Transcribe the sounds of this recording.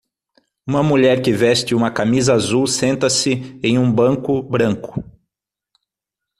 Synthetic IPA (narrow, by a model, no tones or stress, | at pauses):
ũmɐmuʎɛɾkɪvɛst͡ʃɪũmɐkamizɐazuwsẽnt̪ɐsɪẽj̃ũbɐ̃ŋkʊbɾɐ̃ŋkʊ̥